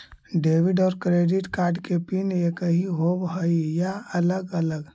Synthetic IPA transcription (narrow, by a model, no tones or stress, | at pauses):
ɖeːʋɪɖɔːɾkɾeɖɪʈkaːɾɖkepinjekəɦiɦobɦəijaələɡələɡ